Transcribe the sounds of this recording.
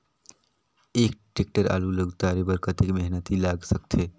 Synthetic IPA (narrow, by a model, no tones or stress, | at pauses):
ekʈek̚ʈəɾa̰luləɡt̪aɾebəɾkət̪ekmeɦnət̪ilaɡsəkt̪ʰe